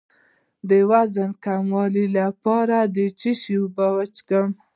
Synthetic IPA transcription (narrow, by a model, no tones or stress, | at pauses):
d̪əwazənkamwɑlilapɑɾad̪ət͡ʃiʃibawat͡ʃɡəm